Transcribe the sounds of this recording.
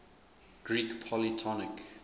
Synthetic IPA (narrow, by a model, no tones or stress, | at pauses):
ɡ̥ɹikpʰɔlitʰɔnɪk